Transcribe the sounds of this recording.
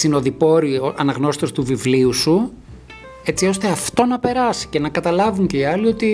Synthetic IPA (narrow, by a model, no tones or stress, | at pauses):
sino̞ðipo̞ɾioɐ̰nɐɣno̞si̥t̪ost̪uvivliusu | e̞t͡sio̞st̪e̞ɐft̪o̞nɐpe̞ɾɐsi̥ce̞nɐkɐt̪ɐlɐvuɲce̞iɐlio̞t̪i